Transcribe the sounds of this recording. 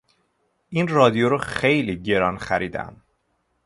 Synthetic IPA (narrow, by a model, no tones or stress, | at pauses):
ʔinrɒːd̪ijoɾɒxejliːɟe̞ɾɒnxæɾiːd̪æ̰m